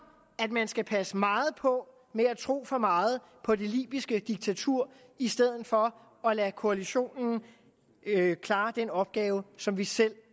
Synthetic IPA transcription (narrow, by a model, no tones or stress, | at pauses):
æd̥mænsɡ̥æpʰæsəmɑ̈ːð̞̩ˠpʰɒ̽ | meæt͡sʰʁo̝̰ːfɒ̽mɑ̈ːð̞̩ˠ | pʰɒ̽de̝lḭːb̥isɡ̥əd̥iɡ̥̚t͡sʰæt͡sʰuɐ̰ | isd̥eð̞̰ˠð̩ˠfɒ̽ | ɒ̽lækʰo̝æliɕo̝̰ːnn̩ | kʰlɑ̈ːd̥enɒ̽b̥̚ɡ̥ɛːʊəsɒ̽mʋisel̰